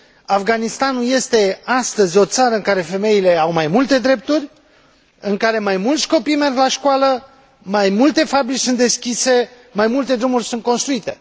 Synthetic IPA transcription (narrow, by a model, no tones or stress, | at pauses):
afɡanist̪anulje̞st̪e̞ast̪əzʲo̞t̪saɾəɨŋkaɾe̞fe̞me̞ile̞awmajmult̪e̞d̪ɾe̞p̚t̪urʲ | ɨŋkaɾe̞majmult̪sʲko̞pijme̞rɡlaʃkwalə | majmult̪e̞fabɾit͡ʃsunt̪d̪e̞skʲise̞ | majmult̪e̞d̪ɾumurʲsunt̪̚ko̞nst̪ɾuit̪e̞